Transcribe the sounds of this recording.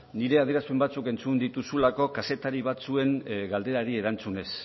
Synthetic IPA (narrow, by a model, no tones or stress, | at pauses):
niɾe̞aðieɾaspembat͡suke̞nt͡sund̪it̪usulako̞kase̞t̪aɾiβat͡sue̞ŋɡald̪e̞ɾaɾie̞ɾant͡sune̞s